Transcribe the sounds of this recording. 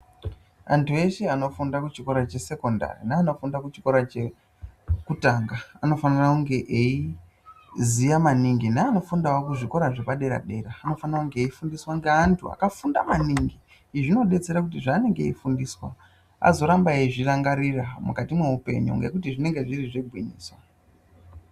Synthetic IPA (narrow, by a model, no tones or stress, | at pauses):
a̰ntʰue̞ʃeano̞fundakut͡ʃiko̞ɾat͡ʃe̞se̞ko̞nda̰rḭnaːno̞fundakut͡ʃi̥ko̞ɾat͡ʃe | kutaŋɡaano̞fanirakuŋɡe̞ʔei | zijamaniŋɡinaːnofundawokuʐiko̞ɾaʐepaɗe̞ɾa̰ɗe̞ɾaːno̞fanirakuŋɡeifundiswaŋɡeantʰua̰kafunda̰maniŋɡi | ʐino̞ɗe̞t͡se̞ɾakutiʐaːne̞ŋɡe̞ifundiːswa̰ | a̰zo̞ɾambaeʐiraŋɡariramukatimwe̞upe̞̰ɲṵŋɡe̞̰kutiʐine̞ŋɡe̞ʐiriʐeɡʱwiɲḭːswa